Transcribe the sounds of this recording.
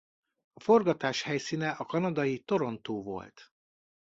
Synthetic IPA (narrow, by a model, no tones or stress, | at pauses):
ɒfo̞rɡɒt̪aːʃhɛjsiːnɛʔɒkɒnɒd̪ɒjit̪o̞ɾo̞nt̪oːvo̞̰lt̪